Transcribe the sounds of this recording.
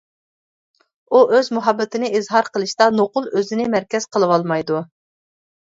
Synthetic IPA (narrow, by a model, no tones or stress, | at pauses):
uʔøzmuɦɑbːɪt̪ɪnɪizɦɑɾqʰəlˠɨʃt̪ɑnoqʊlˠøzɪnɪmæɾkʲɛz̥qʰəlˠɨwɑlˠmɑjd̪u